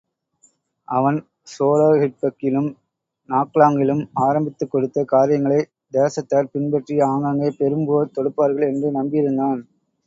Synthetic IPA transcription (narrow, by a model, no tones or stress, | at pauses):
ʔɐʋɐn | soːloːhɪʈ̚pɐkːɪlɯm | naːkɭaːŋɡɪlɯmaːɾɐmbɪt̪ːɯkːɔɽɯt̪ːɐkaːɾɪjɐŋɡɐɭɐɪ | d̪eːsɐt̪ːaːɾpɪnbɛʈrijaːŋɡaŋɡɐpɛɾɯmboːt̪ɔɽɯpːaːɾɣɐɭɛndrɯnɐmbɪjɪɾɯnd̪aːn